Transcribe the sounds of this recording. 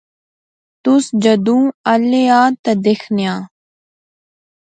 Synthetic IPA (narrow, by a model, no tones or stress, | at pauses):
t̪ʊsd͡ʒəd̪ũːəleaːt̪ɐd̪ekʰnɪjãː